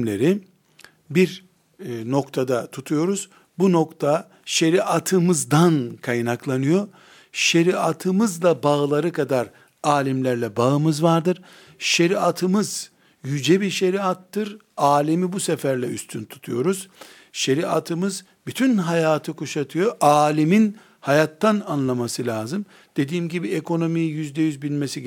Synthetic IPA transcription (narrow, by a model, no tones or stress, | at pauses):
lʲeɾi | biɾ | no̞kt̪ʰad̪at̪ʰut̪ʰujo̞ɾuz̥ | buno̞kt̪ʰa | ʃe̞ɾiʔat̪ʰɯmɯzd̪ankʰajnaklˠanɯjo̞ | ʃe̞ɾiat̪ʰɯmɯzlˠabaɯlˠaɾɯkʰad̪aɾ | aːlʲimlʲæɾlʲɛbaɯmɯzvaɾd̪ɯɾ̥ | ʃe̞ɾiat̪ʰɯmɯz | jyd͡ʒɛbiɾʃe̞ɾiat̪ːɯɾaːlʲimibusɛfæɾlʲɛy̰st̪ʰynt̪ʰu̥t̪ʰujo̞ɾuz̥ | ʃe̞ɾiat̪ʰɯmɯz | byt̪ʰynɦajaːt̪ʰɯkuʃat̪ʰɯjo̞ʔaːlʲimin | hajat̪ːananlˠamasɯlʲaːzɯm | d̪̥e̞d̪iːmɟibiekʰo̞no̞mijjyzd̪ɛjyzbilʲmesi